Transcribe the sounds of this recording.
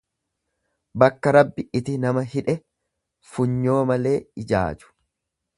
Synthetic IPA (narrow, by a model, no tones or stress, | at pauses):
bɐkːɐɾɐbːɪɪt̪ɪnɐmɐɦɪᶑɛ | fʊɲːo̞ːmɐle̞ːɪd͡ʒa̰ːd͡ʒʊ̥